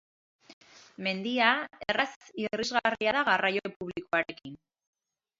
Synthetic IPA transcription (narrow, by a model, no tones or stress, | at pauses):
me̞nd̪iaerasirizɣariaðaɣarajo̞puβliko̞aɾe̞kin